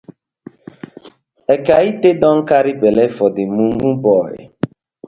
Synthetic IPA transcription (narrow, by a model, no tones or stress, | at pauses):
ɛkaitedɔŋ̩kaɾɪbelefɔdɪmuŋubɔɣɪ̰